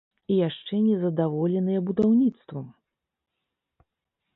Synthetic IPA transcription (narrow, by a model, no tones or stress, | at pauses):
ijaʂt͡ʂɛnʲɛzɐd̪avɔlʲɛnɨjɛbud̪awnʲit̪st̪vu